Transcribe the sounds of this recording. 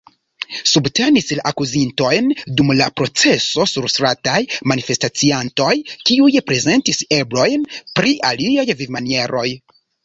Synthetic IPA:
subte̞nislaʔakuzinto̞jndumlapɾo̞t͡se̞so̞suɾstɾatajmanife̞stat͡sianto̞jkiujpɾe̞ze̞ntise̞blo̞jnpɾiʔaliajvivmanie̞ɾʔo̞j

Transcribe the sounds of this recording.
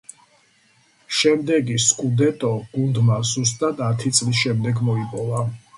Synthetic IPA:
ʃɛmd̪ɛɡiskʼud̪ɛt̪ʼɔɡ̥und̪mazust̪ʼad̪at̪ʰit̪sʼlisʃɛmd̪ɛɡmɔipʼɔva

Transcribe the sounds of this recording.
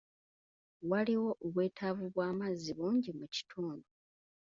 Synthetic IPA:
waliwo̞ʔoβwe̞ːtʰavuβwaːmaziβuːɲɟimuci̥tʰuːndu

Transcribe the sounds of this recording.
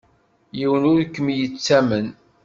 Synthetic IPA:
jiwənʊɾkːəmjət͡sːæmən

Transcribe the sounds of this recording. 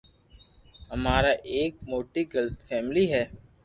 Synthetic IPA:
ɦɐmaːɾaːʔeːk̚moːʈiɡəlfʰɛːmliɦɛː

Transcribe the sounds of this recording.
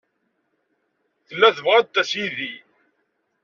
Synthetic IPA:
θəlːæθəvʁad̪̚t̪ːæsiði

